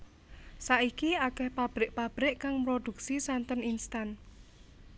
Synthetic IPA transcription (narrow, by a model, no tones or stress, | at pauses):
saʔikiakɛhpab̥ɾɪʔpab̥ɾɪʔkaŋmɾod̪̥ṳk̚sisant̪əninst̪an